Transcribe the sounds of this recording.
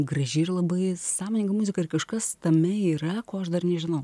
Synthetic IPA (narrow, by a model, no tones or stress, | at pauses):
ɡɾɐʒʲɪrlˠɐbɐɪsɑːmoːnʲɪŋɡɐmʊzʲɪkɐɪrkɐʃkɐst̪ɐmʲɛiːɾɐkoːɐʃd̪ɐrnʲɛʒʲɪnɐʊ